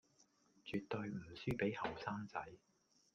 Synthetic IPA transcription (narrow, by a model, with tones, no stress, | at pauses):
t͡ʃyː˨t̪ːɵ˧jm̩˨˩syː˥pe˨˥jhɐ˨˩wsaː˥ŋt͡sɐ˨˥j